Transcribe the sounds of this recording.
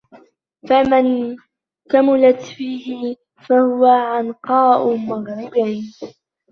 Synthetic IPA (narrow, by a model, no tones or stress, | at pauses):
faman | kamalat̪fiːhɪ | fahʊwaʕɑnqɑːʔʊmaɣɾɪbaːn